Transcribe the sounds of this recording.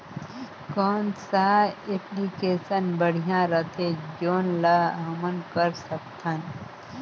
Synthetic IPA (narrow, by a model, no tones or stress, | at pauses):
kɔːnsaːeplikeːsənbəɽ̤ijãɾət̪ʰed͡ʒoːnlaɐmənkəɾsək̚t̪ʰən